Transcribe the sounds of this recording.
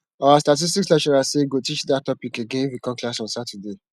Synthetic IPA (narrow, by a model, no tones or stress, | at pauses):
ɔastat̬is̬tikslɛʃɔɹaseɡotit͡ʃdatɔpikeɡẽifikɔ̃klasɔ̃nsatude